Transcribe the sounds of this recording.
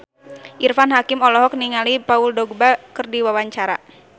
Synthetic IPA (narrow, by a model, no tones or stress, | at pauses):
ʔirfanɦakɪmɔlɔɦɔk̚niŋalipauldɔɡ̚bakɨrdiwawaɲt͡ʃaɾa̰